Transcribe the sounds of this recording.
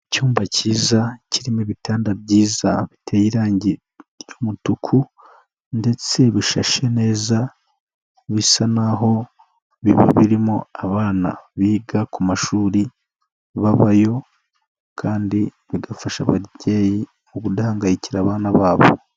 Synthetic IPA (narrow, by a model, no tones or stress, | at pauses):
cuːmbaciːzaciɾimeβitaːndaβɟiːzaβitʰejiɾaːɲɟi | ɾjomutukʰu | nde̞t͡se̞βiʃaʃe̞ne̞ːza | βisanaɦo̞ | βiβḭβiɾimo̰aβaːna̰βiːɡakumaʃuːɾi | βaβajo̞ | kʰaːndi | βiɡafaʃaβa̰ɾɟe̞ːji | muɡudaːŋɡajiciɾaːβaːnaβaːβo̰